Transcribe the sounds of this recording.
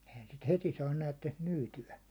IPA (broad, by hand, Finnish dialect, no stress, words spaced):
ehæn sit heti sɑːn næːtːeks myːtyæ